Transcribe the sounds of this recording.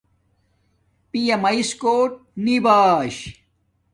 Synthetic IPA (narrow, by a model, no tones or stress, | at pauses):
pijɐmɐiskoːʈ̚nibaːɕ